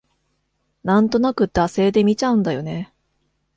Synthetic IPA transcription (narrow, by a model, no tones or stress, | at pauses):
nãnt̪o̞nakɯ̟d̪ase̞ːd̪e̞mʲit͡ɕaɯ̟̃nd̪ajo̞ne̞